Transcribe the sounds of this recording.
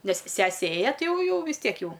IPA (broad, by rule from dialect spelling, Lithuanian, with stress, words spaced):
ˈnʲɛs ˈsʲæːsʲɛ ˈeːjɛ ˈtʲɪ ˈjɛʊ ˈjɛʊ ʋʲɪs ˈtʲiɛk ˈjɛʊ